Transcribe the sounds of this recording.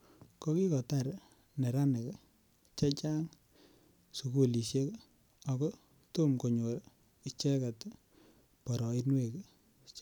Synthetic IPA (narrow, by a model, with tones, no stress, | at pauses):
ko˦ki˦kɔ˨ta˦˨ɾ | ne˨ɾa˦ne˨k | t͡ʃɛ˦t͡ʃa˦ŋ | su˨ku˦˨li˨ʃje˦k | a˨kɔ˦ | to˦mko˨ɲo˨ɾ | i˦t͡ʃɛ˦ka˨t | pɔ˨ɾɔ˨i˦nwe˦˨k